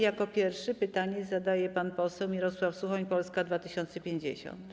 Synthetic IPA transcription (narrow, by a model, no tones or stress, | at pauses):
jakɔpʲjɛɾfʂɘpɘt̪aɲɛzad̪ajɛpanpɔsɛwmʲiɾɔswafsuxɔɲpɔlskad̪vat̪ɘɕɔnt̪sɛpʲjeɲd͡ʑḛɕɔ̰nt̪